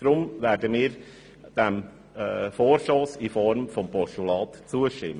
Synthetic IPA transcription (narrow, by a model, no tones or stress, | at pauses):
ɾʊmʋæːɾdəmiːɾ | d̥æmː | foːrʃoːsifɔɾmfɔmpɔʃtulɑːt̪t͡suəʃtɪ̰mː